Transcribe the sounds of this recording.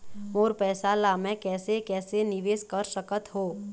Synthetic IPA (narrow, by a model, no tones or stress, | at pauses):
moːɾpɛːsalaːmɛ̃kɛːsekɛːsenɪʋeːskəɾsəkət̪ɦoː